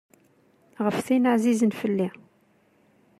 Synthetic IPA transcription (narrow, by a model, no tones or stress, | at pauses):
ʁəfθinəʕzizənfəlːi